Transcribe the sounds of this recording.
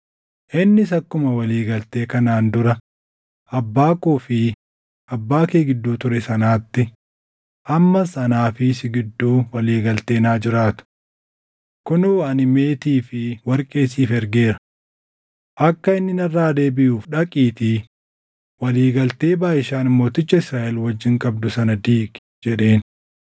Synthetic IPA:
ʔɪnːɪsɐkːʊmɐwɐliːɡɐlt̪eːkɐnaːnd̪ʊɾɐ | ɐbːaːkuːfɪ | ɐbːaːkeːɡɪd̪ːuːt̪ʊɾɛsɐnaːt̪ːɪ | ʔɐmːɐsɐnaːfɪsɪɡɪd̪ːuːwɐliːɡɐlt̪e̞ːnaːd͡ʒɪɾaːt̪ʊ̥ | kʊnʊɐnɪme̞ːt̪iːfɪwɐɾkʼe̞ːsiːfɛɾɡe̞ːɾɐ̥ | ʔɐkːɐɪnːɪnɐrːaːd̪e̞ːbɪjʔuːfᶑɐkʼiːt̪ɪ | wɐliːɡɐlt̪e̞ːbaːʔɪʃaːnɪmːo̞ːt̪ɪt͡ʃːɐɪsɾaːʔɛlwɐd͡ʒːɪŋkʼɐb̚d̪ʊsɐnɐd̪iːkʼ | d͡ʒɛᶑe̞ːn

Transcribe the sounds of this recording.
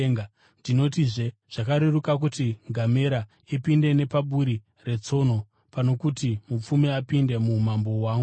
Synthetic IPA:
ŋ | dino̞tiʐeʐ̥akaɾerukak̬utiŋɡʱame̞ɾa | ipinde̞ne̞paɓuɾi | re̞t͡so̞no̞ | pano̞kutimup͡fumiapinde̞mumambo̞waːŋɡu

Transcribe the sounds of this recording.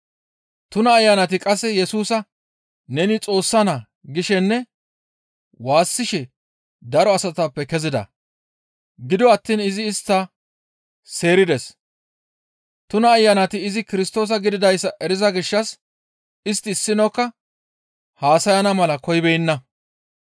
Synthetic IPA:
t̪ʊnɐːjːɐnɐt̪ɪkʼɐsːɛjɛsuːsɐ | nɛnɪt͡sʼo̞ːsːɐnɐ | ɡɪʃɛnːɛ | waːsːɪʃɛ | d̪ɐɾɔɐsɐt̪ɐpːɛkɛzɪd̪ɐ̰ | ɡɪd̪ɔɐt̪ːiːnɪzɪːst̪ːɐ | se̞ːɾɪd̪ɛs | t̪ʊnɐːjːɐnɐt̪ɪːzɪkɪɾɪst̪o̞ːs̬ɐɡɪd̪ɪd̪ɐjsːɐʔɛɾɪzɐɡɪʃːɐs | ɪst̪ːɪːsːɪnokːɐ | haːsɐjɐnɐmɐlɐkɔjbɛjnːɐ

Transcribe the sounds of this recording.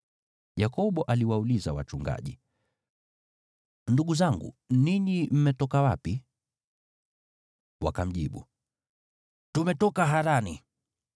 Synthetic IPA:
jakɔɓɔʔaliwaulizawa̰t͡ʃuŋɡa̰ʄi | nduɡuzaŋɡṵniɲim̩mɛtɔkawapi | wa̰kam̩ʄḭɓṵ | tumɛtɔkaɦaɾani

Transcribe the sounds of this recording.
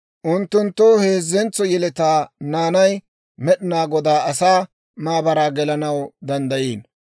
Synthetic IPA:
ʔʊnt̪ːʊnt̪ːɔhe̞ːzːɛnt͡sːɔjɛlɛt̪aːnaːnɐj | mɛɗɪnaːɡɔd̪aːɐsaː | maːbɐɾaːɡɛlɐnɐwd̪ɐnd̪ɐjiːn

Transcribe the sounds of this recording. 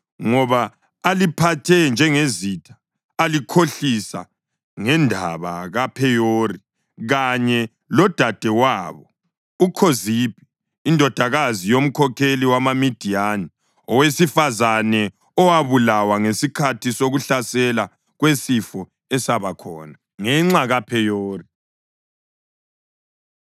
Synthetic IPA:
ŋɔβaː | lipʰatʰɛnd͡ʒʱɛŋezitʰḁː | likʰoɬisa̰ | ŋɛndʱa̰βa̰ɣapʰɛjoːri | ɣaɲɛ | lɔd̥ʱad̥ʱɛwaːβɔ | ukʰozib̥ʱi̥ː | ndʱɔd̥ʱaɣazijom̩kʰɔkʰeliwamamid̥ʱiani | ɔwesifazanɛ | ɔwaβulawaŋesikʰatʰisoɣuɬasɛla | ɣwesifɔ | ɛsaβakʰɔ̰ːna | ŋɛŋ͡ǁaɣapʰɛjoːri

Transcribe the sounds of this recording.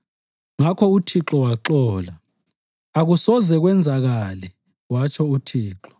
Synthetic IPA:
ŋakʰɔutʰiǁɔwaǃɔːla | aɣusɔzɛɣwɛnd͡zʱaɣalɛ | ɣwat͡ʃʰɔutʰiːǁɔ̥

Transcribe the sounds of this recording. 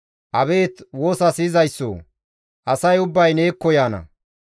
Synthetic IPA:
ʔɐbe̞ːt̪wo̞ːsɐsɪzɐjsːo̰ː | ʔɐsɐjʊbːɐjneːkːɔjaːnɐ̰

